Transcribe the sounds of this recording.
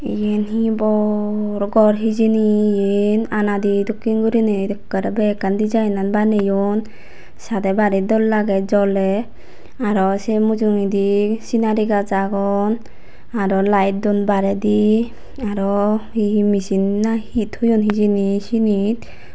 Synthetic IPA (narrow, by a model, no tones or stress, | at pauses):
ḭjenɦĩbɔɾɡɔɾɦid͡ʒinijenanad̪id̪ɔkːinɡuɾined̪ɔkːaɾɛbɛkand̪id͡ʒajnanbanejɔn | sad̪ɛbaɾid̪ɔlːaɡɛt̚d͡ʒɔlɛ | aɾɔsɛmud͡ʒuŋid̪isinaɾiɡad͡ʒaɡɔn | aɾɔlajt̚d̪ɔnbaɾɛd̪i | aɾɔimisinːahit̪hujɔnɦid͡ʒinisinit̪̚